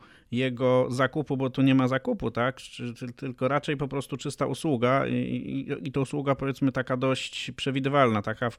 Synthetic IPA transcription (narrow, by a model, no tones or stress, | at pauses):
jɛɡɔzakupubɔt̪uɲɛmazakuput̪akt͡ʂt̪ɘlt̪ɘlkɔɾat͡ʂɛjpɔpɾɔst̪ut͡ʂɘst̪aʔuswuɡa̰ḭit̪ɔuswuɡapɔvʲjɛt̪smɘt̪akad̪ɔɕt͡ɕpʂɛvʲid̪ɘvalnat̪akaf